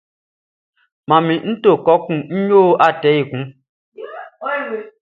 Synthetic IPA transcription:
mã˨mĩ˨n̩˦to˦˨kɔ˨˦kũ˨n̩˦ɲoː˦a˦˨tɛ˨˦i˨kũ˨˦

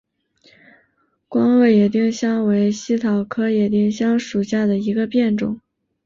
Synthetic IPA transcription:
kwɑ˥ŋɤ˥˩jɛ˨˩t̪̬i˥˩ŋɕjɑ˥ŋwe˧˥ɪɕi˥t̪ʰɑ˨˩ʊkʰɤ˥jɛ˨˩t̪̬i˥˩˧ŋɕjɑ˥ŋʂu˨˩ɕja˥˩d̪ə˩i˧˥ɡə˧pjɛ˥˩nʈ͡ʂʊ̰˨˩˦ŋ

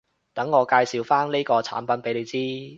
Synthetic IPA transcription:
t̪ɐ˨˥ŋːɔː˨˧kaː˧jsi˨˧wfaː˥nle˥jkɔː˧t͡sʰa̰ː˨˥npɐ˨˥npe˨˥jle˨˧jt͡siː˥

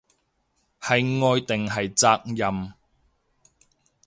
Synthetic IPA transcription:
hɐ˨jŋɔː˧jt̪ɪ˨ŋɦɐ˨jt͡saː˧k̚jɐ˨m

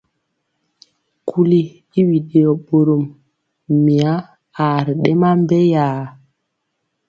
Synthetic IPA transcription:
kʰu˦liː˦ | wi˨ɗe˨ɔ˨ɓo˨ɾo˨mː | i˨a˦ | aː˨ɾɗɛ˦ma˦mbɛ˦jaː˨

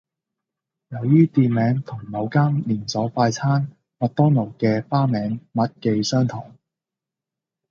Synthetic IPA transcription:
jɐ˨˩˧wjyː˥t̪iː˨˧nmɛː˨˥ŋt̪ʰʊ˨˩ŋmɐ˨˧wkaː˥mliː˨˩nsɔː˨˥faː˧jt͡sʰaː˥n | mɐ˨t̪ɔː˥ŋno˨˩wkɛː˧faː˥mɛː˨˥ŋmɐ˨˥t̚ke˧jsœː˥ŋt̪ʰɔː˨˩ŋ

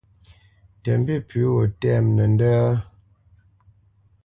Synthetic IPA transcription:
tɛ˨m˦bi˦˨pʰi˨˦wo˨tɛ˦˨mnə˨n˦dəː˦

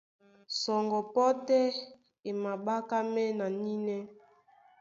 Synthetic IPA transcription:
sɔ˨ŋɡɔ˨pɔ˦tɛ˦ | e˨ma˨ɓa˦ka˦mɛ˦na˨ni˦nɛ˦

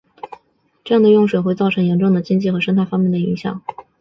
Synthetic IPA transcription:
ʈ͡ʂɤ˥˧jɑ˥˩d̪ə˩jʊ˥˩ŋʂwe˨˩ɪxe˥˧ɪt͡sɑ˥˩ʊʈ͡ʂʰɤ˧˥ŋjɛ˧˥nʈ͡ʂʊ˥˩ŋd̪ə˩t͡ɕi˥ŋt͡ɕi˥˩xɤ˧˥ʂə˥nt̪ʰa˥˩ɪfɑ˥ŋmjɛ˥˩nd̪ə˩ḭ˧˥ŋɕjɑ̰˨˩˦ŋ

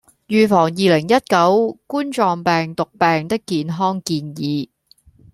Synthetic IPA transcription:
jyː˨˧fɔː˨˩ŋjiː˨lɪ˨˩ŋjɐ˥t̚kɐ˨˥wkuː˥nt͡ʃɔː˨˧ŋpɛː˨ŋt̪ʊ˨k̚pɛː˨ŋt̪ɪ˥kːiː˨nɦɔː˥ŋkiː˧njiː˨˧

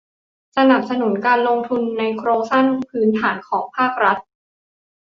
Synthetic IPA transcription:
sa˧na˨˩p̚sa˧nu˩˦nkaː˧nlo˧ŋt̪ʰu˧nːa˧jkʰɾoː˧sa˥˩npʰɯː˦˥nt̪ʰaː˩˦nkʰɔː˩˦ŋpʰaː˥˩k̚ɾa˦˥t̪̚

